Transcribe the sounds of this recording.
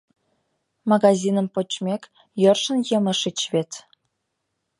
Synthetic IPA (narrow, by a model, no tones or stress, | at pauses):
mɑɣɑzʲinə̆mpot͡ɕmʲek | jørʃə̆njəmə̆ʃit͡ɕβet̪